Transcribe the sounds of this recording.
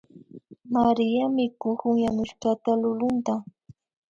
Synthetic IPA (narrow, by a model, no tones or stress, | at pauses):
maɾɪjamɪkʊhʊŋjanʊʃkat̪alʊlʊnt̪a